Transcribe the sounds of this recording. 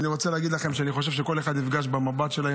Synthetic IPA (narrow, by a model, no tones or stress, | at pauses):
niʁot͡seleːɡid̪laχe̞mʃeaniχo̞ʃ̬evʃeko̞le̞χad̪nifɡaʃbemabat̪ʃe̞lae